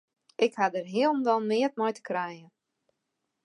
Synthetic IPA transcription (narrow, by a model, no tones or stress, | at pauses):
ʔɪkhadərɦiəlˠnʋɔlˠmɪət̚mɔjtə̥krɛjə